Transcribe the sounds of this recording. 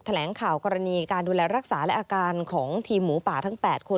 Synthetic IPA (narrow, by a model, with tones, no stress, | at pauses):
t̪ʰa˧lɛː˩˦ŋkʰaː˨˩wkɔː˧ɾa˧niː˧kaː˧nduː˧lɛː˧ɾa˦˥k̚saː˩˦lɛ˦˥ʔaː˧kaː˧nkʰɔː˩˦ŋt̪ʰiː˧mːuː˩˦paː˨˩t̪ʰa˦˥ŋpɛː˨˩t̪̚kʰo˧